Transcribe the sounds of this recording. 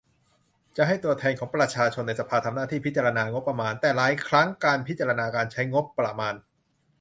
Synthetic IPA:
t͡ɕa˨˩ʔɦa˥˩jt̪u˧ɐt̪ʰɛː˧nkʰɔː˩˦ŋpɾa˧t͡ɕʰaː˧t͡ɕʰo˧nːa˧jsa˧pʰaː˧t̪ʰa˧mnaː˥t̪ʰiː˥˩pʰi˦t̪̚t͡ɕaː˧a˧naː˧ŋo˦˥pːɾa˧maː˧nt̪ɛː˨˩laː˨˩˦jkʰɾa˦˥ŋkaː˧np̪̚ʰt͡ɕaː˧ɾa˧naː˧kaː˧nt͡ɕʰa˦˥jŋo˦˥pːɾa˧maː˧n

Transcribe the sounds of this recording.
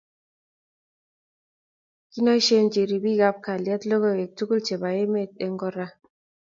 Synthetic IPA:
ki˦nɔ˦i˦ʃe˦nd͡ʒi˨ɾi˨bi˦ɡa˦p̚ka˨ljɛ˦tlo˦ɡo˦˨ɡe˨k̚tu˦ku˦lt͡ʃe˨ba˨e˦me˦˨t̚e˨ŋɡɔ˦ɾa˦

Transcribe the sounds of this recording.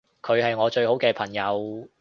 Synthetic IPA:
kʰɵ˨˧ɥhɐ˨jŋɔː˨˧t͡ʃɵ˧ɥho˨˥wkɛː˧pʰɐ˨˩ŋjɐ˨˧w

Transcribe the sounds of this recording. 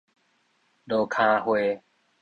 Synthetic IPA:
ɗoː˨kʰãː˧hweː˧

